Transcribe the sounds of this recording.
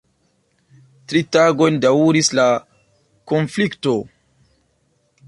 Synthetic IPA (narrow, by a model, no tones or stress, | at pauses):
tɾitaɡo̞jndauɾisla | konflikto